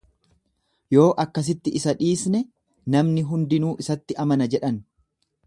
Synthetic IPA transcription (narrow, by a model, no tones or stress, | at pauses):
jo̞ːʔɐkːɐs̬ɪt̪ːɪʔɪsɐᶑiːsnɛ | nɐmnɪɦʊnd̪ɪnuːʔɪsɐt̪ːɪʔɐmɐnɐd͡ʒɛᶑɐn